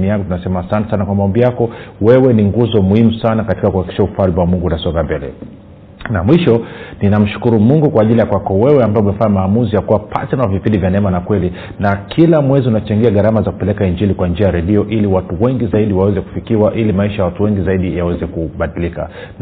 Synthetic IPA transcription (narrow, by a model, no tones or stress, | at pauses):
nijakɔtunasɛmaasantɛsanakwamaɔmbijakɔwɛwɛniŋɡuzɔmuhimusanakati̥kakuhaiki̥ʃaufalbwamuŋɡunasɔɡambɛlɛ̰ | namwiʃɔninam̩ʃu̥kuɾumuŋɡukwaːʄilijakwakɔwɛwɛambaɔumɛfaɲamaːmuzijakuwapʰa̰tɛnawavipindivjanɛɛmanakwɛli | nakʰilamwɛziunat͡ʃaŋɡiaɠaɾamazaku̥pɛlɛkaind͡ʒilikwand͡ʒiajaɾɛɗiɔʔiliwatuwɛŋɡizaiɗiwawɛzɛku̥fikiwaʔilimaiʃajawatuwɛŋɡizaiɗijawɛzɛkuɓaɗilika̰